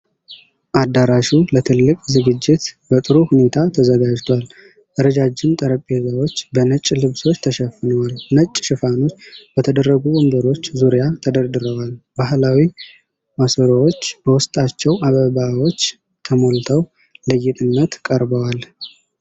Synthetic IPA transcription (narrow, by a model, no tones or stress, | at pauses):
ʔad̪aɾaʃulət̪ʰɨlːɨkʼzɨɡɨd͡ʒːɪt̪bət̪ʼɨɾuhune̞t̪ʰat̪ʰəzəɡad͡ʒt̪ʰwal | ʔəɾəd͡ʒad͡ʒːɪnt̪ʼəɾəpʼːezawo̞t͡ʃːbənət͡ʃʼːlɨβso̞t͡ʃːt̪ʰəʃɛfɨnəwalnət͡ʃʼːʃɪfano̞t͡ʃːb̥ət̪ʰəd̪ərːəɡuwɔmbəɾo̞t͡ʃːzuɾijat̪ʰəd̪əɾd̪ɨɾəwalbahlawi | masoɾəwo̞t͡ʃːb̥əwʊst̪ʼat͡ʃːɛwʔaβəβawo̞t͡ʃː | t̪ʰəmo̞lt̪ʰəw | lɨjːɪt̪ʼɨnːət̪kʼəɾbəwal